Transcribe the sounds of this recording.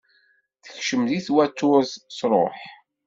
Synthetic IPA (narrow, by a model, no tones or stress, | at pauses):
θə̥çʃəmðiθwæt̪ːʊɾzsɾˤo̰ħ